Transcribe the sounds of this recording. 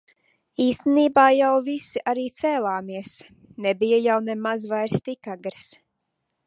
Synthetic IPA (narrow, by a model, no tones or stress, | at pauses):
iːst̪eniːbaːjawvisiʔaɾiːt̪sɛːlˠaːmiɛs | nɛbijajawnɛmazvajɾst̪ikaɡɾs